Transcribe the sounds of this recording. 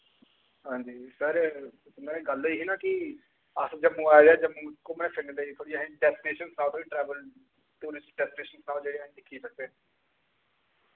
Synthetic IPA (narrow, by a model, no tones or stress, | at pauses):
ɦãːɲd͡ʒiːsəɾ | mːẽɡəliːɦiːnãːkɪ | əsd͡ʒəmːũːaːjd̪aːd͡ʒəmũːkoːmɛ̃ːpʰɪneleit̪ʰoːɽiːaɦɖɛːsʈneːʃənsnãːlt̪ʰoːɽĩːʈɾɛːbəl | ʈuːɾɪsʈ̚ɖɛːsʈneːʃənsnaːld͡ʒeːɽiaːɦĩːd̪ɪkʰːiːsək̚d̪e